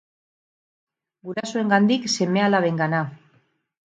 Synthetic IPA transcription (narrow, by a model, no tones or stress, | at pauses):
ɡuɾasoe̞ŋɡand̪ikse̞me̞alaβe̞ŋɡana